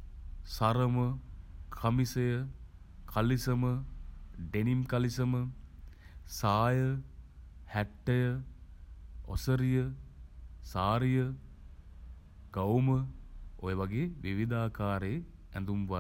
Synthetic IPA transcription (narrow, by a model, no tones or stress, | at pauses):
saɾəməkʰəmisəjəkʰalisəmə | ɖenimkalisəmə | saːjə | hæʈːəjə | o̰səɾijə | saːɾijə | ɡ̥awməo̰jəʋaɡeːʋiʋid̪aːkaːɾeː | ɛ̰nd̪umʋa